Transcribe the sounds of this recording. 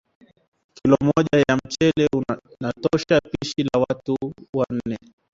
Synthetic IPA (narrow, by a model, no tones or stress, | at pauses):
kilɔmɔʄajam̩t͡ʃɛlɛunatɔʃapiʃilawatuwan̩nɛ